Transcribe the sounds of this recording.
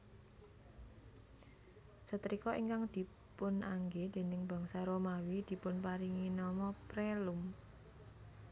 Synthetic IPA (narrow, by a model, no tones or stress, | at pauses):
sət̪ɾikɔʔiŋkaŋd̪̥i̤ | pʊnʔaŋɡed̪̥e̤nɪŋb̥ä̤ŋsaɾomawid̪̥i̤pʊnpaɾiŋinɔmɔpɾelʊm